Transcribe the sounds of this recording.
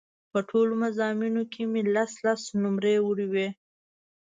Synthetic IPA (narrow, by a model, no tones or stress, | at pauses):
pəʈʰolomazɑminokʰemelaslasnʊmɾewuɽiwe